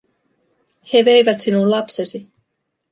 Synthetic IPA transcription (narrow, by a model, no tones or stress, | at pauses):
he̞ʋe̞jʋæt̪sinunlɑpsesi